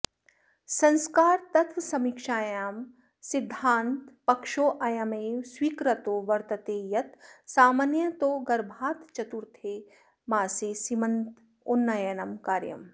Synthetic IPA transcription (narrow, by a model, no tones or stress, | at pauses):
sɐ̃nskaːɾt̪ɐt̪ʋsɐmikʃaːjaːm | sid̪ʱːaːnt̪pɐkʃoːʔɐjɐmeːwswiːkɾɐt̪oːʋɐɾt̪ɐt̪eːjɐt̪saːmɐnjɐt̪oːɡɐɾbʱaːt̪t͡ʃɐt̪uɾt̪ʰeː | maːseːsimɐnt̪ | unːɐjɐnɐmkaːɾjɐ̰m